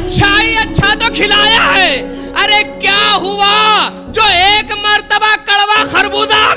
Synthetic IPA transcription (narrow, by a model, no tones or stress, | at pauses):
tːʃʰaiɐtːʃʰat̪oːkʰɪlaːjaːɦɛː | ɐɾekjaːɦʊʋa | d͡ʒoːeːkməɾt̪əbakɐɽʋaxʰɐɾbuːd̪aː